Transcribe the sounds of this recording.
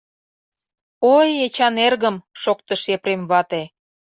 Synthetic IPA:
ojet͡ɕɑnerɣə̆mʃokt̪əʃepɾemβɑt̪e

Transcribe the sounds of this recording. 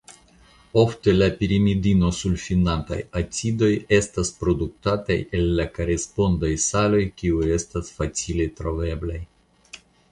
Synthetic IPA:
o̞fte̞lapiɾimidino̞sulfinanta̰jat͡sido̞je̞staspɾo̞duk̚tata̰jelːakaɾespo̞ndajsalo̞jkiuje̞stasfat͡siletɾo̞ve̞blaj

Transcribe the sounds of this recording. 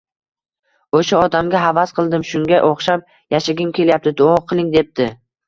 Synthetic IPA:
oʃaɒd̪amɡʲaɦavasqʰɨlˠd̪ɪmʃʊŋɡʲaʔoχʃap̚ | jaʃɪɡʲɪmkʲʰe̞ljap̚t̪ɪd̪oɑqʰɨlˠɪŋd̪e̞p̚t̪ʰɪ

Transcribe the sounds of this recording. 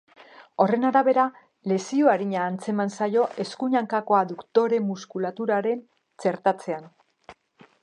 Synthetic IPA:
o̞re̞naɾaβe̞ɾa | le̞sioaɾiɲaːnt͡se̞mansajo̞ʔe̞skuɲaŋkako̞aðukt̪o̞ɾe̞muskulat̪uɾaɾe̞n | t͡ʃe̞ɾt̪at͡se̞an

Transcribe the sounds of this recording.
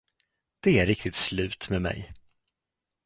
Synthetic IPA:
d̪̥ɛæɾɾɪk̚t̪ɪt̪slʉ̟ːt̪mɛmɛ̰j

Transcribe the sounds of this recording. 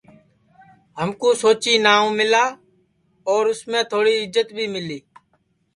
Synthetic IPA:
ɦəmkõːsoːt͡ʃiːnaːũːmɪlaː | ɔːɾʊsmẽːt̪ʰoːɽiːɪzət̪bʱiːmɪliː

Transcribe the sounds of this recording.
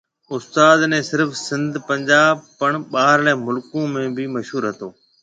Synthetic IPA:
ʊst̪aːd̪nɛ̃ːsɪɾfsɪ̃nd̪ʱpɐ̃ɲd͡ʑaːb̚pəɳ̃ɓaːɦɾlɛːmʊlkõmẽːbʱɪmɐʃɦuːɾɦɐt̪oː

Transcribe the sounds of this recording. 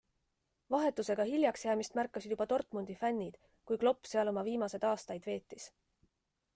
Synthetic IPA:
vɑɦe̞t̪ːˑuse̞ɡ̥ɑhilʲjɑksjæːmist̪mærkːɑsid̪̥jub̥ɑt̪o̞rt̪ˑmond̪̥ifænʲːid̪̥ | kujklo̞pːse̞ɑlo̞mɑviːmɑse̞d̪ɑːst̪ɑjd̪̥ve̞ːt̪ːˑis

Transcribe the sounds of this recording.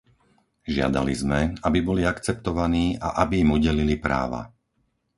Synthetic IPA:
ʒɪa̰d̪a̰lizmɛabibɔliakt͡sɛp̚t̪ɔʋaniːaʔabiimuɟɛlilipɾa̰ːʋa̰

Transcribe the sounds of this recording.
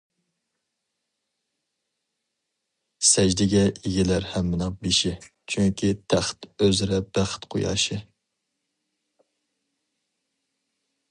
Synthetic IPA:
sɛd͡ʒd̪ɪɡʲɛiɡʲɪlæɾhæmːɪnɨŋbeʃɪ | t͡ʃʰyŋkʲʰit̪ʰæχt̪øzɪɾɛb̥æχt̪qʰojɑ̰ːʃɪ

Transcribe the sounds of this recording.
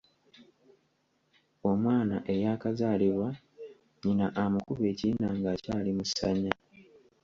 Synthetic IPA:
o̞mwaːnaʔe̞jaːkazaːliβwa | ɲinaʔamukuβe̞ːcinaŋɡaːcaːlimusaɲa

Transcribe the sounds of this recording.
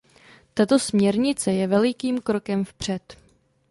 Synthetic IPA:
t̪at̪o̞smɲɛɾɲɪt͡sɛjɛvɛlɪkiːmkɾo̞kɛmfpr̝̥ɛt̪

